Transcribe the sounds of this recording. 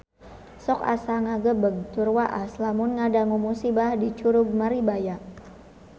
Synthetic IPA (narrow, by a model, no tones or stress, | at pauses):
sɔka̰saŋaɡəbəɡ̚t̪urwaʔaslamʊnŋadaŋumusibahdit͡ʃuɾʊɡ̚maɾibajaʔ